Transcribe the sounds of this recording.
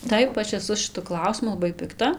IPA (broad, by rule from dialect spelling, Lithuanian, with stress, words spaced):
ˈtɐɪp ˈɐʃ ɛˈsʊ ʃʲɪˈtʊ ˈklˠɐʊsʲɪmʊ lˠɐˈbɐɪ pʲɪkˈtɐ